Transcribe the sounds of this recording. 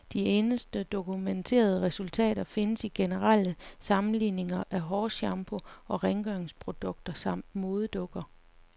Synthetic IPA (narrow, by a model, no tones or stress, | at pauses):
d̥ie̝ːnəsd̥əd̥o̝kument͡sʰe̝̰ːɐð̞ˠəʁɛsult͡sʰɛ̰ːɾ̥ɐfe̝nəsiɡ̥enəʁɑl̰əsɑ̈mn̩lḭːne̝ŋɐʔæɦɒːɕɑ̈mb̥ʰo̝ɒ̽ʁeŋɡ̥œŋspʰʁo̝d̥ɔ̽ɡ̥̚d̥ɐsɑ̈m̰d̥mo̝ːð̞ˠd̥ɔ̽ɡ̥ɐ